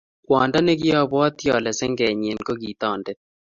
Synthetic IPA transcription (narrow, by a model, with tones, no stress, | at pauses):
kwɔ˨nda˦nɛ˦ɡɪ˦ɔ˦bwɔ˦t̪jɔ˨lɛ˨sɛ˦ŋɡɛ˨ɲe˨nko˦ɡi˨t̪ɔ˦˨ndɛ˦